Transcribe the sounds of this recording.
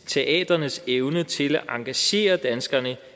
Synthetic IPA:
t͡sʰe̝ʔɛ̰ːd̥ɐnəseʊnət͡sʰe̝læʔɑ̈ŋɡ̥æɕe̝̰ːɐd̥ænsɡ̥ɐnə

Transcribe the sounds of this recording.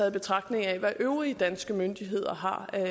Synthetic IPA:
ɛð̩ˠb̥e̝t͡sʰʁɑ̈ɡ̥̚d̥ne̝ŋæʋæʔøʊʁiəd̥ænsɡ̥əmønd̥iɦe̝ð̞̰ˠɐɦɑ̈

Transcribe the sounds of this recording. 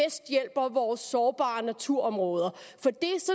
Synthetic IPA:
esd̥jel̰b̥ɐʋɒːsːɒːb̥ɑ̰̈ːnæt͡sʰuɐ̰ɒ̽mʁɔ̽ːð̞ˠɐfɒ̽d̥e̝sɒ

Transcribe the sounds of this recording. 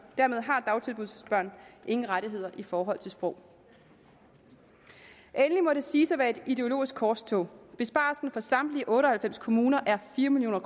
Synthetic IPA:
d̥æɐme̝ð̞ˠɦɑ̈d̥ɑ̈ʊt͡sʰe̝lbuðˠssb̥ɶɐ̰nʔe̝ŋn̩ʁaɾiɦe̝ð̞̰ˠɐʔifɒːɦɒ̽l̰t͡sʰe̝lsb̥ʁɔ̽ʊ̰ | ʔenlimɒ̽ɾe̝siːsɒʋæɐe̝d̥id̥e̝o̝lo̝̰ːisɡ̥̚kʰɒːst͡sʰɔ̽b̥e̝sb̥ɑ̰̈ːlsn̩fɒ̽sɑ̈md̥liʔɔ̽ːɾəɒ̽hælfem̰skʰo̝muːnɐʔæɐfiːɐmiljo̰ːnɐkʰ

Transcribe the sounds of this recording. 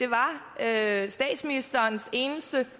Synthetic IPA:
d̥e̝ʋɑ̈øsd̥ɛ̰ːd̥sminisd̥ɐːnse̝ːnəsd̥ə

